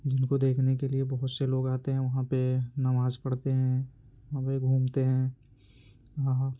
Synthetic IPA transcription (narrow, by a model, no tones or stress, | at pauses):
d͡ʒɪnkod̪eːkʰnekeliebɐɦʊt̪seloːɡaːt̪eɦɛ̃ʋɐɦãpenɐmaːzkɐɽt̪eɦɛ̃ | ɦãpeɡʱũːmt̪eɦɛ̃ː | ɦã